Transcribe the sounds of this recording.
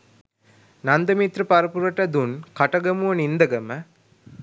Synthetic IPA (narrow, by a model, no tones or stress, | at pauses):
nɐnd̪ɐmit̪ɾɨpɐɾɐpuɾɐʈːɐd̪unkɐʈɐɡɐmuʋɐnind̪ɐɡɐmɐ